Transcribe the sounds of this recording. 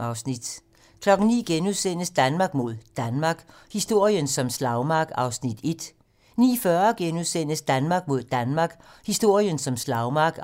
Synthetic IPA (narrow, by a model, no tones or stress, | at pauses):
ɑ̈ʊsnid̥ | kʰlɒ̽ɡ̥n̩nḭːɡ̥enuðˠsen̰əsd̥ænmɑ̈ɡ̥mo̝ð̞̰ˠd̥ænmɑ̈ɡ̥hisd̥o̝ɐ̰ijənsɒ̽mslɑ̈ʊmɑ̈ɡ̥ɑ̈ʊsnid̥e̝d̥ | nḭːfɶɐɡ̥enuðˠsen̰əsd̥ænmɑ̈ːɡ̥̚mo̝ð̞̰ˠd̥ænmɑ̈ːɡ̥hisd̥o̝ɐ̰ijənsɒ̽mslɑ̈ʊmɑ̈ːɡ̥